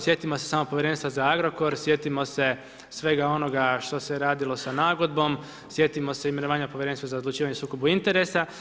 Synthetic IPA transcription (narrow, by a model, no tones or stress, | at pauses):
sje̞t̪imo̞se̞saːmopojɾe̞nst̪ʋazaaɡɾo̞ko̞ɾsje̞t̪imo̞se̞ | sʋe̞ɡao̞no̞ɡaʃt̪o̞seɾaːd̪ilˠo̞sanaːɡo̞d̪̚bo̞m | sje̞t̪imo̞seime̞no̞ʋaːɲapoʋjɾe̞nst̪azaod̪lˠut͡ʃiːʋaɲe̞suːkobuint̪e̞ɾe̞sa